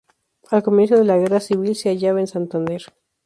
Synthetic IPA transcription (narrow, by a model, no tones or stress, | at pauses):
alkomje̞ns̬oðe̞laɣe̞rasiβilseaʝaβaensant̪and̪e̞ɾ